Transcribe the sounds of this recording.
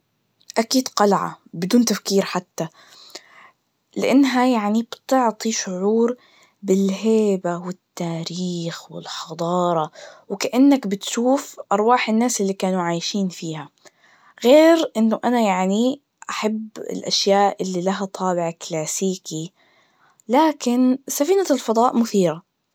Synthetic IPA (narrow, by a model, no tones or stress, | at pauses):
ʔakiːd̪qɑlʕa̰bɪd̪uːnt̪afkiːɾħat̪ːa | lɪʔanːɦajaʕnib̥t̪ʊʕt̪ˤiʃʊʕuːɾ | bɪlɦeːbawɪt̪ːaːɾiːxwɪ̰lħɑd̪ˤɑːɾˤɑwkaʔanːakbɪt̪ʃuːfʔɑɾˤwɑːħɪnːaːsʔɪlːikaːnuʕaːjʃiːnfiːha | ɣeːɾʔɪnːʊʔanajaʕni | ʔaħabːɪ̰lʔaʃjaːʔʔɪlːilaɦat̪ˤʰɑːbɪʕklaːsiːki | laːkɪnsafiːnalfɑd̪ˤɑːʔmʊθiːɾa